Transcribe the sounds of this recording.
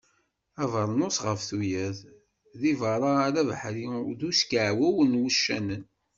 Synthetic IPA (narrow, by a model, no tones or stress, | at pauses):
ævəɾˤnosʁəfθujæð | ðivɑɾˤɑɾævħɾiðuskʕwæwənwuʃːænən